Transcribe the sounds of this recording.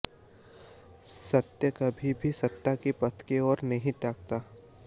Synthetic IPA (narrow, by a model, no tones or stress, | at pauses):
sɐt̪jəkɐbʱibʱisɐt̪ːakipɐt̪ʰkeɔːɾnɐɦĩt̪aːkt̪aː